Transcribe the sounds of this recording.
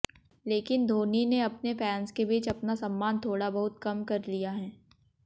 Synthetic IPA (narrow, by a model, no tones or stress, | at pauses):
leːkɪnd̪ʱoːnineɐpnepɛːnskebiːt͡ʃɐpnasɐ̃mːaːnt̪ʰoːɽabɐɦʊt̪̚kɐmkɐɾlijaɦɛː